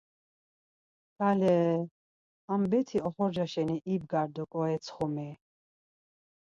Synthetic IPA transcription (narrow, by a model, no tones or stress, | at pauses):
ɡalɛː | ambɛt̪ʰiɔχɔɾd͡ʒaʃɛniʔib̚ɡaɾd̪ɔkʼɔɛt̪sʰχɔmɛ